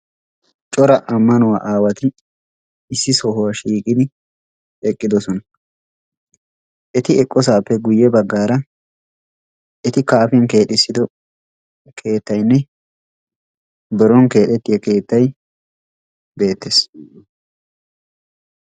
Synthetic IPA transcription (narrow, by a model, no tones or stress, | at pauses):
t͡ʃʼɔɾɐʔɐmːɐnʊwa̰ːʔaːwɐt̪ɪ | ɪsːɪsɔhʊwaʃiːkʼɪd̪ɪ | ɛkʼːɪd̪ɔsɔnɐ | ʔɛt̪ɪɛkʼːɔs̬aːpːɛɡʊjːɛbɐɡːaːɾɐ | ʔɛt̪ɪkaːfɪnke̞ːt̪ʼːɪsːɪd̪ɔ | kʰe̞ːt̪ːɐjnːɛ | bɛɾɔŋke̞ːt̪ːɛt̪ːɪjɐke̞ːt̪ːɐj | be̞ːt̪ːeːs